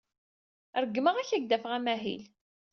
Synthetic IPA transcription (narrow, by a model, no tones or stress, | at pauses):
ɾəɡːməʁæçæɡd̪æfʁæmæɦḭl